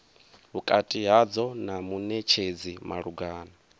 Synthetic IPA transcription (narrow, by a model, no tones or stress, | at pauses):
ɦukʼatʼiɦad͡zɔnamunɛt͡ʃʰed͡zima̰ɺuɡaːna